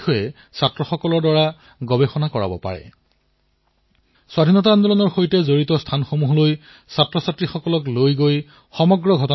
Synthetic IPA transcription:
xɔjɛ | satɹɔxɔkɔlɔɹdaɹa | ɡɔbexɔnakɔɹa̰bɔ̰pa̰ɹɛ̰ | swadʱinɔtand̪ɔlɔnɔɹxojtɛzoɹitɔstʰanxomuɦɔloj | satɹɔsatɹixɔkɔlɔklojɡoj | xɔmɔɡɹɔɡʱɔtɔ

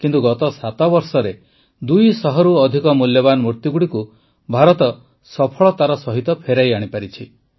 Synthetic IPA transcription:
kint̪uɡɔt̪ɔsat̪ɔbɔɾsɔɾe | d̪ujsɔɦɔɾuɔd̪ʱikɔmuljɔbanɔmuɾt̪juɡuɽiku | bʱaɾɔt̪ɔ | sɔpʰɔɭɔt̪aɾɔsɔɦit̪ɔpʰeɾajaɽ̃ipaɾit͡ʃʰi

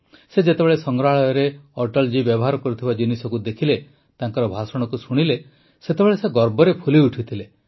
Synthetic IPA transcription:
sed͡ʒet̪ebeɭesɔŋɾaɭɔjɔɾeɔɾʈɔld͡ʒibjɔbɔɦaɾɔkɔɾut̪ʰibad͡ʒinisɔkud̪ekʰile | t̪aŋkɔɾɔbʱasɔɽ̃ɔkusuɽ̃ile | set̪ebeɭeseɡɔɾbɔɾepʰuliuʈʰit̪ʰile

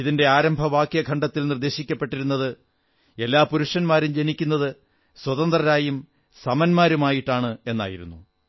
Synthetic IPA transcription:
iðinde̞aːɾɐmbʱɐʋaːkjɐɡʰʱɐɳɖɐt̪ːilnird̪e̞ːɕikʲːɐpːe̞ʈːiɾunːɐðɨ | e̞lːaːpuɾuʂɐnmaːɾumd͡ʑenikʲːunːɐðɨ | swɐðɐnd̪rɐɾaːjum | sɐmɐnmaːɾumaːjiʈːaːɳɨe̞nːa̰ːjiɾṵnːu

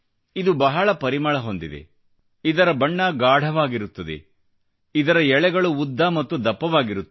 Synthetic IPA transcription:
id̪ubɐɦɐɭɐpɐɾimɐɭɐɦo̞nd̪id̪ḛ | id̪ɐɾɐbɐɳːɐɡaːɽ̤ʱɐʋaːɡiɾut̪ːɐd̪ḛ | id̪ɐɾɐɛɭɛɡɐɭuːd̪ʱːamɐt̪ːud̪ɐpːɐʋaːɡiɾut̪ː

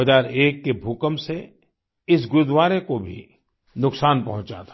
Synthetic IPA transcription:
əzaːɾeːkːebʱukəmse | ɪs̬ɡʊɾd̪waːɾekobʱḭ | nʊksaːnpɐɦʊ̃t͡ʃa̰t̪ʰa

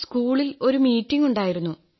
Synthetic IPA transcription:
skuːɭilo̞ɾumiːtːiŋuɳɖaːjiɾunːu

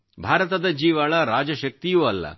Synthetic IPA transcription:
bʱaːɾɐt̪ɐd̪ɐd͡ʒiːʋaɭɐɾaːd͡ʒɐʃɐk̚t̪ijuɐlːɐ̰

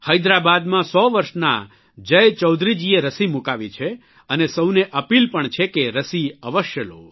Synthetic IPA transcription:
həjd̪ɾabad̪mãsɔʋəɾʃna̰ | d͡ʒəjt͡ʃəwd̪ʱɾid͡ʒieɾəsimukaʋit͡ʃʰe | ənesəwneʔəpilpəɳt͡ʃʰekeɾəsiəʋəʃjəlo̰

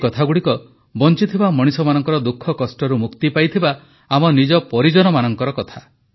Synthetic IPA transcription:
kɔt̪ʰaɡuɽikɔ | bɔnt͡ʃit̪ʰibamɔɽ̃isɔmanɔŋkɔɾɔd̪ukʰːɔkɔsʈɔɾumukt̪ipajt̪ʰibaː | mɔnid͡ʒɔpɔɾid͡ʒɔnɔmanɔŋkɔɾɔkɔt̪ʰa

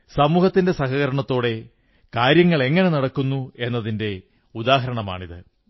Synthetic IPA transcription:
sɐmuːhɐt̪ːinde̞sɐɦɐɣɐɾɐɳɐt̪ːo̞ːɽe̞ | kaːɾjɐŋːɐɭe̞ŋːɐne̞nɐɽɐkːunːue̞nːɐðinde̞ | ud̪aːɦɐɾɐɳɐma̰ːɳiðɨ

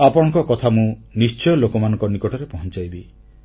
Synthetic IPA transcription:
apɔɽ̃ɔ̃ŋkɔkɔt̪ʰamũnist͡ʃɔjɔlokɔmanɔ̃ŋkɔnikɔʈɔɾepɔɦɔ̃nt͡ʃajbi

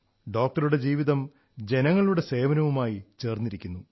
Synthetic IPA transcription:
ɖo̞ːk̚ʈɐɾuɽe̞d͡ʑiːʋiðɐm | d͡ʑe̞nɐŋːɐɭuɽe̞se̞ːʋɐnɐʋumaːjit͡ɕe̞ːrnːiɾikʲːunːu

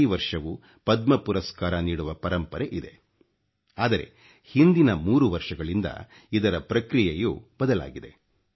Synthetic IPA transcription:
ʋɐɾʂɐʋu | pɐd̪mɐpuɾɐskaːɾɐniːɽuʋɐpɐɾɐmpɐɾeʔid̪e̞̰ | aːd̪ɐɾe̞̰ | hind̪inɐmuːɾuʋɐɾʂɐɡɐɭind̪ɐ̰ | id̪ɐɾɐpɾɐkɾijejuːbɐd̪ɐla̰ːɡid̪e̞

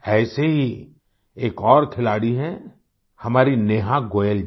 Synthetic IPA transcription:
ɛːseɦi | eːkɔːɾkʰɪlaːɽiɦɛ̃ | hɐmaːɾineːɦãɡoːjəl

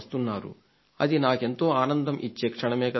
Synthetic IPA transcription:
st̪unːaːɾṵ | ɐd̪inaːke̞nt̪o̞ːaːnɐnd̪ɐmʔit͡ʃːeːkʂɐɳɐmeːkɐ

